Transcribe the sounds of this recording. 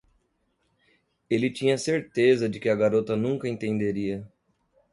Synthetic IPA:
elɪt͡ʃĩɲɐseɾt̪ezɐd͡ʒɪkɪɐɡaɾot̪ɐnũkɐẽnt̪ẽnd̪eɾiɐ

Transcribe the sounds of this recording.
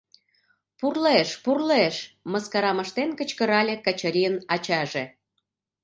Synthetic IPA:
purleʃpurleʃməskɑɾɑmə̆ʃt̪enkət͡ɕkəɾɑlʲekɑt͡ɕəɾʲijənɑt͡ɕɑʒe

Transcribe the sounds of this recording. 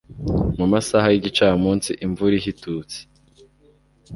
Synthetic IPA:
mumasahajiɟit͡ʃaːmuːnt͡siʔiɱvuɾiɦituːt͡si̥

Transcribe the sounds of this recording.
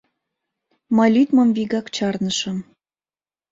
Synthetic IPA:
mɑlʲyt̪mɤmviɣɑkt͡ɕɑrnə̆ʃɤ̆m

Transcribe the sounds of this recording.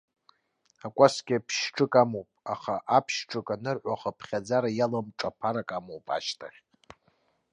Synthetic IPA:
akʷʼasɡʲapʰʃʈ͡ʂʼɨkʼamowpʼaχaʔapʰʃʈ͡ʂʼɨkʼanɨrʕʷaχapʰχʲad͡zaɾajalamʈ͡ʂʼapʰaɾakʼamowpʼa̰ʃtʰa̰χʲ

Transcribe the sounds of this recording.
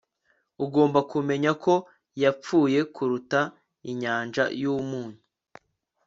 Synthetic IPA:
uɡo̞ːmbakume̞ɲakʰo̞ | jap͡fuːje̞kʰuɾuta | iɲaːnʒa̰jumuːn̥u

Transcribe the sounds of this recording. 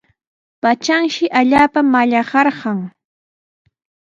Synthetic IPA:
pat͡ʃaŋʃɪʔaʎaːpamaʎɑɢɑɾɢɑŋ

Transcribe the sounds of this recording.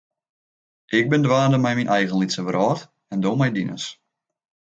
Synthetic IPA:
ʔɪɡ̚bɪndʋaːndəmɛjminʔɛjɣənlitsəʋəɾɔːt | ɛndoːmɛjdinʔə̰s

